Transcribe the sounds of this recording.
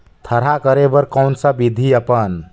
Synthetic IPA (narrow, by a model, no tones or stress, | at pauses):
t̪ʰəɾɦakəɾebəɾkəwnsə̃bid̪ʱiəpən